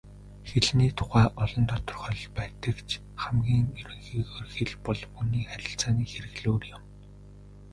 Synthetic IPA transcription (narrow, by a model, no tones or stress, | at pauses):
xeɮniːt̪ʰʊ̥χæːʔɔɮɞ̆nt̪ʰɔt̪ɞ̆rχœɮpæːt̪ə̆kt͡ɕʰ | χæmɡʲiːŋɵɾɵ̆ŋxiːɣoːrxeɮpɔɮuniːχæɾʲɪ̆ɬt͡saːniːxeɾɘ̆ɣɮoːrjʊm